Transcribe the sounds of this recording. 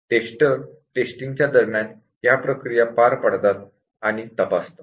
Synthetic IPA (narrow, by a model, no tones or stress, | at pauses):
ʈesʈəɾ | ʈesʈiŋɡt͡ɕjad̪əɾmjan | japɾəkɾijapaɾpəɽt̪at̪ | aɽ̃it̪əpast̪o